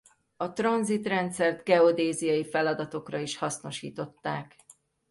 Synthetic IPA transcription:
ɒt̪rɒnzit̪rɛnt̪sɛrd̪ɡɛo̞d̪eːzijɒjifɛlɒd̪ɒt̪o̞krɒiʃhɒsno̞ʃḭːt̪o̞t̪ːaːk

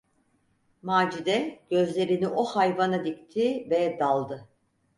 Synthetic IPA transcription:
maːd͡ʒid̪ɛɟ̥ø̞zlʲe̞ɾiniʔo̞hajvanad̪ict̪ʰivɛd̪alˠd̪ɯ

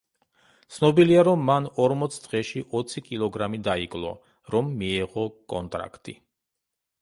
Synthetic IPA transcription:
t̪sʰnɔbiliaɾɔmːanɔɾmɔt̪sʰd̪̥ʁɛʃiʔɔt̪sʰikʼilˠɔɡɾamid̪aikʼlˠɔ̰ | ɾɔmːiɛʁɔkʼɔ̰nt̪ʼɾa̰kʰt̪ʼḭ

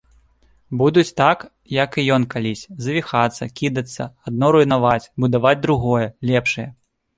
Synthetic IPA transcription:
bud̪ut͡sʲt̪ak | jɐkijɔnkalʲisʲzɐvʲixat̪sːɐkʲid̪ɐt̪sːɐ̰ad̪̚nɔɾujnavat͡sʲbud̪avad͡zʲd̪ɾuɣɔjɛlʲɛpʂɨjɛ

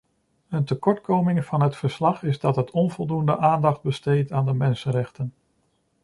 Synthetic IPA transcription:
əntəkɔɹtkowmɪŋv̥ɑnɦətfəɹslɑχɪzdɑtɦətʰɔnvɔlˠdundə̰ʔaːndɑχd̚bəstejtaːndəmɛnsənɾɛχtən

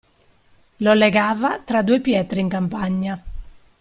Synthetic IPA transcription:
lɔlɛɡaːvat̪ɾad̪uepjɛːt̪ɾiiŋkampaɲːa

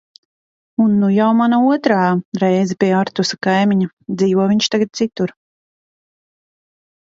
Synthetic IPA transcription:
unːujawmanauɔt̪ɾaːɾɛjzɛpʲiɛaɾt̪usakajmiɲa | d̪ziːvɔviɲt͡ʃt̪aɡat̪̚t̪sit̪uɾ

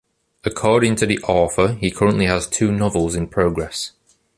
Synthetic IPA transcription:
əkʰɔːɾɪ̃ŋtʰəðiʔɔˑfəikʰʌɹə̃nʔliəz̥tʰʉːnɒvəlˠzɪ̃npʰɹ̥oʊɡɹɛs

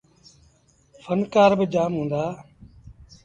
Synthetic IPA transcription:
fʰənkaːɾbɪd͡ʒaːmɦũːnd̪aː

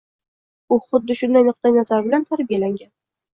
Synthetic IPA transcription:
ʊχʊd̪ːɪʃʊnd̪ajnʊq̚t̪ajnazaɾbɪlant̪ʰaɾbijalaŋɡʲan

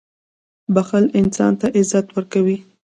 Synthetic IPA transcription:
baxalɪnsɑ̰nt̪aʔɪzat̪wəɾkawi

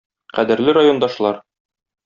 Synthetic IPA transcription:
qæd̪ɘ̆ɾlɘɾajo̞nd̪ɑʃlˠɑɾ

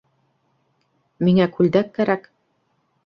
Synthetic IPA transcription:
miŋækʉld̪ækːæɾæk

